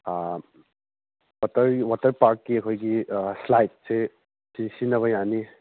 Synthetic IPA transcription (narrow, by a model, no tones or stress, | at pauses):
wɐtɐɾwatɐɾpaɾkːiɐkʰojɡislajt̚se | sisinɐβɐjani